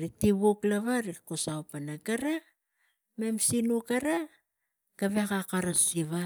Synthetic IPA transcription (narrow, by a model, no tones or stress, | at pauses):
ɾitiβoklaβaɾikosawpanaɡaɾa | memsinukaɾa | kaβekakaɾasiβa